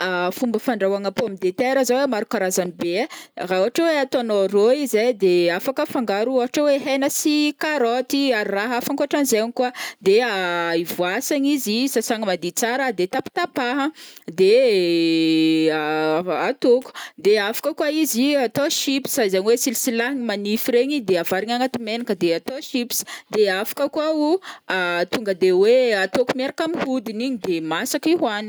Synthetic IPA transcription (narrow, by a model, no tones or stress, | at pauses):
afumbəfaɳɖ͡ʐawaŋapoamid̪et̪eɾəzawemaɾukaɾazaniberaoaʈ͡ʂoweat̪onoroizejd̪eafakəfaŋɡaɾuoɦaʈ͡ʂaweɦenəsikaɾot̪iaɾiraɦafaŋkoaʈ͡ʂanizeɲikuad̪eaivuasaɲizisasaŋəmad̪it͡saɾəd̪et̪api̥t̪apaɦəd̪e | at̪oku̥d̪eafḁkəkwaiziat̪oʃipsazaɲiwesilisilaɦiɲimanifiɾeɲid̪eavaɾiɲaŋat̪imenakəd̪eat̪oʃipsi̥d̪eafḁkəkuauat̪uŋɡəd̪eweat̪okumeɾakamihud̪iniɲid̪emasakiɦwani